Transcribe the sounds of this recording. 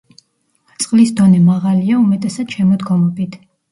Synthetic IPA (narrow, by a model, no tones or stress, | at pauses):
t̪sʼqʼlisd̪ɔnɛmaʁaliaumɛt̪ʼɛsad̪ʃɛmɔd̪ɡɔmɔbit̪ʰ